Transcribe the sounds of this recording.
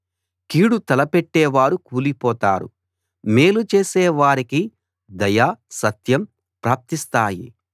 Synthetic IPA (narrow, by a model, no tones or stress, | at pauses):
kiːɽut̪ɐlɐpeʈːɛːʋaːɾukuːlipɔːt̪aːɾṵ | meːlut͡ʃeːseːʋaːɾiki | d̪ɐjaːsɐt̪jɐm | pɾaːp̚t̪ist̪aːjḭ